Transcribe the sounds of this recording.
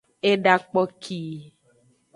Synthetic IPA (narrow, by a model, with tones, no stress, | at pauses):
e˦ɖa˨k͡pɔ˦kʰi˦